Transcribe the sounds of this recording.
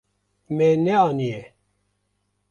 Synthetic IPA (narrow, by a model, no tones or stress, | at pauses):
mɛnɛɑːnijɛ